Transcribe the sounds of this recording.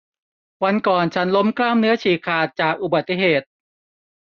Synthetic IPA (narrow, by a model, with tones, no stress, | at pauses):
wa˧nkɔː˨˩nt͡ɕʰa˦˥nlo˦˥mklaː˥˩mnɯ˦˥ɐt͡ɕʰiː˨˩kʰaː˨˩t̪̚t͡ɕaː˨˩k̚ʔu˨˩ba˨˩t̪ːi˨˩ɦeː˨˩t̪̚